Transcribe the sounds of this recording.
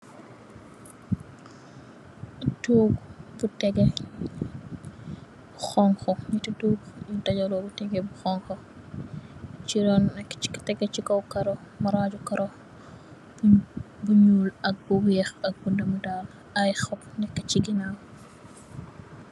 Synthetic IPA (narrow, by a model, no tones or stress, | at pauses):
ɐtoːɡbutɛɡɛ | buxɔŋxɔɲitɐtuːɡjudɐɟɐlɔbutɛɡɛbuxɔŋxɔ | t͡ʃidɔnːɛkːi̥kɐ̥tɛɡɛt͡ʃikɔwkɐɾɔmɐɾad͡ʒukɐɾʔɔ | buɲuːlɐk̚buwɛːxɐk̚bundɐmudal | ɐjxɔpnɛkːɐt͡ʃiɡinaw